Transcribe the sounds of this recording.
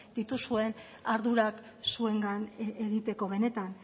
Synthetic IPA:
d̪̥it̪usue̞n | aɾðuɾak | sue̞ŋɡaneɣit̪e̞ko̞βe̞ne̞t̪an

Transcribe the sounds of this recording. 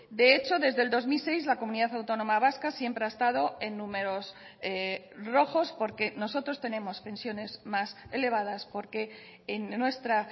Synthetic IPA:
d̪e̞et͡ʃo̞ðe̞zðeld̪o̞zmilse̞jzlakomũniðaθawt̪o̞no̞maβaskasje̞mpɾeaest̪að̞o̞e̞nːũme̞ɾo̞s | e | ro̞xo̞spo̞ɾke̞no̞so̞t̪ɾo̞st̪e̞nẽ̞mo̞spẽ̞nsjo̞ne̞zmase̞le̞β̞að̞aspo̞ɾke̞ː | nːwe̞st̪ɾa

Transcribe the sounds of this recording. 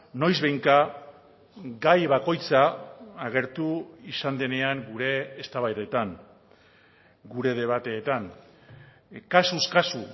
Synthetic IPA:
no̞jzβejŋka | ɡajβako̞jt͡saːɣe̞ɾt̪uisand̪e̞ne̞aŋɡuɾe̞ːst̪aβajðe̞t̪aŋ | ɡuɾe̞ð̞e̞β̞at̪e̞ːt̪aŋ | kasuskasu

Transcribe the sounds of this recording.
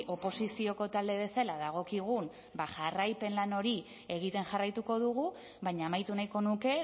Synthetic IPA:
o̞po̞sisio̞ko̞t̪ald̪e̞β̞e̞salaðaɣ̞o̞kiɣ̞un | baʝarajpe̞nlano̞ɾi | e̞ɣ̞it̪e̞nʝarajt̪uko̞ðuɣu | βaɲaːmajt̪unajko̞nuke̞

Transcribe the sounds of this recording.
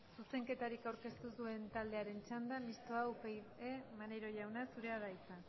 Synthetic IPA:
suse̞ŋke̞t̪aɾikawɾke̞st̪usue̞nt̪ald̪e̞aɾe̞nt͡ʃand̪amist̪oawpejemaneɾo̞ʝawnasuɾe̞aðajt͡sa

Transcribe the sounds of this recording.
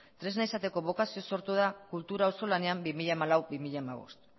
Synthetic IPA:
t̪ɾe̞znaisat̪e̞ko̞β̞o̞kasio̞so̞ɾt̪uð̞akult̪uɾaoso̞lane̞ambimiʎamalawbimiʎamaβ̞o̞̰st̪

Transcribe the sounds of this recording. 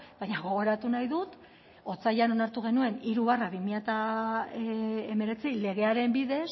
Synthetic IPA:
bajɲaɣ̞o̞ɣ̞o̞ɾat̪unajðut̪ | o̞t͡sajano̞naɾt̪uɣ̞e̞nue̞niɾuβaraβimiʎat̪a | eme̞ɾe̞t͡sile̞ɣ̞e̞aɾe̞mbiðe̞s

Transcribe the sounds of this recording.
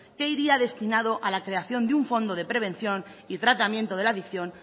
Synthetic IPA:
ke̞iɾiaðe̞st̪inaðoʔalakɾe̞aθjo̞nd̪euɱfo̞nd̪oð̞e̞pɾe̞β̞ẽ̞nθjo̞nit̪ɾat̪amjent̪oð̞e̞laðikθjo̞n

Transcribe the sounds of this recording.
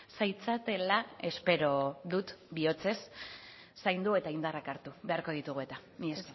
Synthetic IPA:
sajt͡sat̪e̞lae̞spe̞ɾo̞ðut̪bio̞t͡se̞sː | ajnd̪ue̞t̪aind̪arakaɾt̪uβe̞aɾko̞ð̞it̪uɣ̞ue̞t̪a | mies

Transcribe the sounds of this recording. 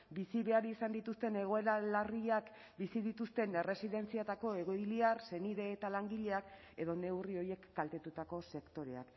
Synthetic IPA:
bisiβe̞aɾisand̪it̪ust̪e̞ne̞ɣ̞o̞e̞ɾalariak | bisiðit̪ust̪e̞ne̞re̞siðe̞nt͡siat̪ako̞e̞ɣ̞o̞jliarse̞niðe̞ːt̪alaŋɡiʎe̞ak | e̞ðo̞ne̞wrio̞je̞kːalt̪e̞t̪ut̪ako̞se̞kt̪o̞ɾe̞a̰k

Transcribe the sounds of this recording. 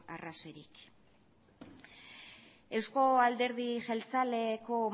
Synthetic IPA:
a̰rasoe̞ɾik | e̞wsko̞ald̪e̞ɾð̞iʝelt͡sale̞ko̞

